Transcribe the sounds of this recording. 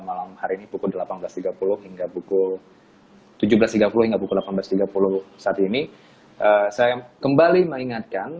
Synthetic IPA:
malamhaɾiinipukʊldəlapanbəlast̪iɡapulʊhhiŋɡapukʊl | t̪ud͡ʒubəlast̪iɡapulʊhiŋɡapukʊldlapanbəlast̪iɡapulʊhsaːt̪ini | ʔəsajakəmbaliməŋiŋat̪̚kan

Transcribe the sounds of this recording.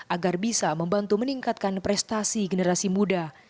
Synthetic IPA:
ʔaɡarbisaməmbant̪uməniŋkat̪̚kanpɾɛst̪asiɡənəɾasimuda

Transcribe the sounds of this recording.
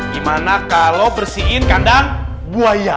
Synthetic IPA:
ɡimanakalowpərsiɪnkandaŋ | buaja

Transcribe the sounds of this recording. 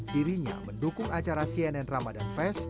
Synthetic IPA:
diɾiɲa̰məndukʊŋat͡ʃaɾasiɛnɛnramadanfɛs

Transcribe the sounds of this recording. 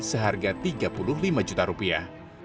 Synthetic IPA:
səɦarɡat̪iɡapulʊhlimad͡ʒut̪aɾupia̰

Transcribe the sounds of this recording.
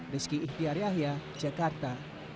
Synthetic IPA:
riskiʔiht̪iaɾjaɦiḁd͡ʒakart̪a

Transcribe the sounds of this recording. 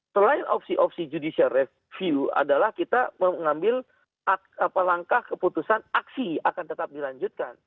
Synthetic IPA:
səlaɪnɔ̰psiʔɔfsid͡ʒudisiarɛ | fiua̰dalahkit̪aməŋambɪl | a | apalaŋkahkəput̪usanaksiakant̪ət̪ap̚dilaɲd͡ʒut̪̚kan

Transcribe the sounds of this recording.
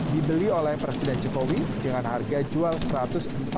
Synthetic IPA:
dibəliolɛhpɾesidɛnd͡ʒokowidəŋanharɡad͡ʒualsəɾat̪ʊsəmp

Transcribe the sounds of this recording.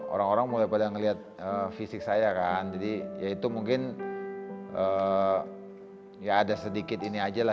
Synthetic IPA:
o̰ɾaŋoɾaŋmulajpadaŋəliɦat̪̚əfisɪk̚sajakand͡ʒadijait̪umuŋkɪn | ʔəː | jaːdasədikɪt̪iniad͡ʒala

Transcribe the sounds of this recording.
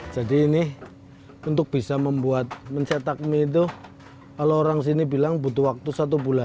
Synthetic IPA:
d͡ʒ̥adiːnɪ | unt̪ʊk̚b̥isaməmbuat̪̚mənɲt͡ʃet̪ak̚mit̪̬u | kaloːɾaŋs̬inibilaŋbut̪uwak̚t̪usat̪̬ubulan

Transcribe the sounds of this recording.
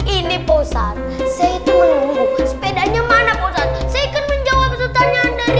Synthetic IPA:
iniposat̪̚seit̪uwəlmusə̥pedanɲamanaposat̪̚saikənməɲd͡ʒawap̚sut̪aɲandaɾi

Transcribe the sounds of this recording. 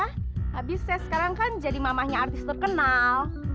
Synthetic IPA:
aabɪsasə̥kaɾaŋkand͡ʒadimamahɲaːrt̪ɪst̪ərkənal

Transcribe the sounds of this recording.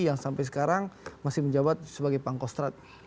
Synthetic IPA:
jaŋsampajs̬ə̥kaɾaŋmasɪhməɲd͡ʒabat̪̚səbaɡajpaŋkɔst̪ɾat̪̚

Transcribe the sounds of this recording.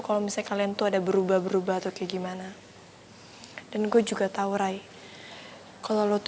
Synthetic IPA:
kalomisakaliant̪uadabəɾubahbəɾubahat̪akɛɡimana | danɡuad͡ʒuɡat̪auɾaj | kalolot̪

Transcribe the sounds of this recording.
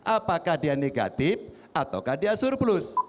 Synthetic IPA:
ʔapakahdianeɡa̰t̪ɪf̚ | at̪awkahdiasʊrplʊs

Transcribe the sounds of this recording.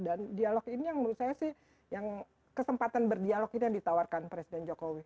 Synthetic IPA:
dandialɔkinijaŋməɾusajasɪh | jaŋ | kəsəmpat̪anbərdialɔkinijaŋdit̪awarkanpɾesidɛnd͡ʒokowi

